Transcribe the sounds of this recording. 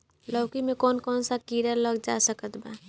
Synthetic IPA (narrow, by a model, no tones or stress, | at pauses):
ləʊkimẽkɔːnkɔːnsakiɾaləɡd͡ʒasəkət̪ba